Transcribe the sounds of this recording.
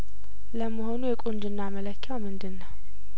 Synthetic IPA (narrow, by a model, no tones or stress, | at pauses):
ləmːəɦo̞nujɛkʼund̪ɨnːamələkʰːjawmɨnd̪ɨnːəw